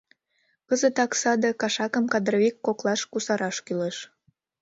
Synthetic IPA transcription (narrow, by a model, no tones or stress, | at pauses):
kəzət̪ɑksɑd̪əkɑʃɑkəmkɑd̪roβikːoklɑʃkusɑɾɑʃkyleʃ